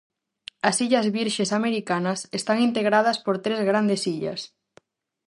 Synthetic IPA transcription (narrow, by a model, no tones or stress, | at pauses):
ɐsiʎɐzβiɾʃesameɾikanɐsest̪aŋint̪eɣɾað̞ɐspoɾt̪ɾezɣɾand̪esiʎɐ̰s